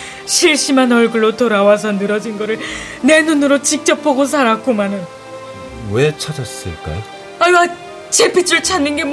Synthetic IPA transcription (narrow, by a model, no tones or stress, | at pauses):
ɕʰiɭɕ͈imanʌɭɡɯɭːotoɾawas̬ʰʌnɯɾʌd͡ʑinɡʌɾɯɭ | ne̞nunɯɾot͡ɕik̚t͡ɕ͈ʌpʰoɡos̬ʰaɾak͈omanɯn | wet͡ɕʰad͡ʑas͈ɯ̰ɭk͈a̰jo | aɭma | t͡ɕepʰit͡ɕ͈uɭt͡ɕʰanːɯnɡe̞m